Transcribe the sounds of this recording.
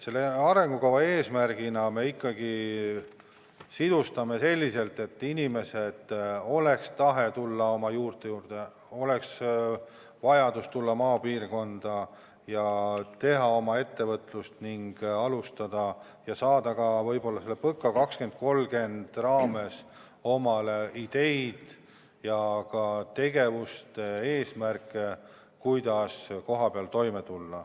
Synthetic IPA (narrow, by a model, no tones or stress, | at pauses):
se̞lːeɑɾe̞ŋɡ̥ukɑwvɑe̞ːsmærɡ̥inɑme̞ikːɑɡi | sid̪̥ust̪ɑme̞se̞lʲːise̞lt̪e̞t̪ːˑinʲime̞set̪ːo̞le̞kst̪ɑɦe̞t̪ulːɑo̞mɑjuːrt̪e̞juːrd̪̥e̞ | o̞le̞ks | vɑjɑd̪̥ust̪ulːɑmɑːpiːrko̞nd̪̥ɑ | jɑt̪e̞ɦɑo̞mɑe̞t̪ːe̞vɤt̪lust̪niŋɡ̥ɑlust̪ɑd̪̥ɑ | jɑsɑːd̪̥ɑkɑvɤ̞jbo̞lːɑselːepɤkːˑɑkɑkske̞nd̪̥̚ko̞lɡe̞nd̪̥rɑːme̞s | o̞mɑlid̪̥e̞jd̪̥ | jɑkɑt̪e̞ɡe̞vust̪ee̞ːsmærkːˑe | kujd̪̥ɑsko̞ɦɑpeɑlt̪o̞jmet̪ulːɑ